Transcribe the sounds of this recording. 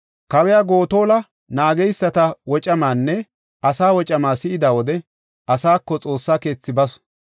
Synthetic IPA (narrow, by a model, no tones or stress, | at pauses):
kɐwɛjaːɡo̞ːt̪o̞ːlɐ | naːɡɛjsːɐt̪ɐwɔt͡ʃʼɐmaːnːɛ | ʔɐsaːwɔt͡ʃʼɐmaːsɪɪd̪aːwɔd̪ɛ | ʔɐsaːkːɔt͡sʼo̞ːsːaːke̞ːt͡sːɪbɐsɔ̥